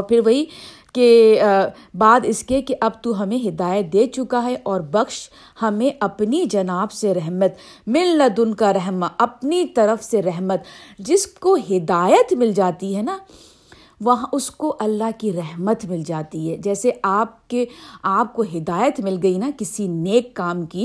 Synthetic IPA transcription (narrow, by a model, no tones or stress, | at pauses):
ɔɾpʰɪɾʋɐɦi | ke | baːd̪ɪskekeʔɐbt̪uɦɐmẽɦɪd̪aːjət̪̚d̪eːt͡ʃʊkaɦɛʔɔːɾbɐxʃ | hɐmẽʔɐpnid͡ʒɐnaːbseɾɛɦmət̪ | mɪlːɐd̪ʊnkaɾɛɦmaʔɐpnit̪ɐɾəfseɾɛɦmət̪d͡ʒɪskoɦɪd̪aːjət̪mɪld͡ʒaːt̪iɦɛna | ʋɐɦãʔʊskoʔɐlːaɦkiɾɛɦmət̪mɪld͡ʒaːt̪iɦɛːd͡ʒɛːseaːp̚keaːp̚koɦɪd̪aːjət̪mɪlɡɐinakɪsineːkːaːmki